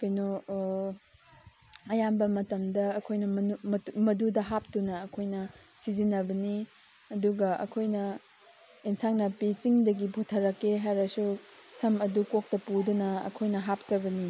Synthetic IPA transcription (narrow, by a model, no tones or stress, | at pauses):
kɐjno | ɐjambɐmɐtɐmdɐːkʰojnɐmɐummɐdudɐɦap̚tunɐːkʰojnɐsizinɐbɐni | ɐduɡɐʔɐ̰kʰojnɐ | insaŋnɐpit͡ʃiŋdɐɡibʱotʰɐɾɐkːeɦajɾɐsusɐmɐdukok̚tɐpudunɐɐ̰kʰojnɐɦap̚t͡ʃɐbɐni